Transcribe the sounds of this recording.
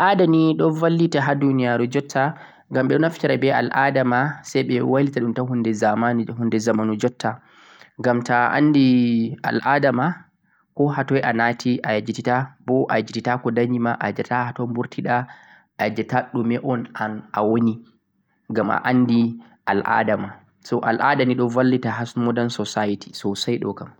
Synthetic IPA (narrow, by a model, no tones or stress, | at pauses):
ʔadaniɗɔnvalːitaɦadunijaɾud͡ʒɔtʰːa | ɡamɓɛɗɔnaftiɾabɛa̰lʔadamasajɓɛwalitaɗumtahundɛzamanhundɛzamanud͡ʒɔtʰːa | ŋɡamtaʔa̰nːdia̰lʔadama | kɔhatɔjʔanatiʔajad͡ʒititabɔʔa̰jad͡ʒititakɔdaɲd͡ʒimaʔad͡ʒatahatɔmbuɾtʰiɗa | ʔad͡ʒɛtaɗumɛʔɔnanʔawoni | ɡamʔa̰ʔanːdi | ʔa̰lʔa̰dama | sɔʔa̰lʔa̰daniɗɔvalːitaɦasmɔdansɔsajiti̥sɔsajɗɔ̰kam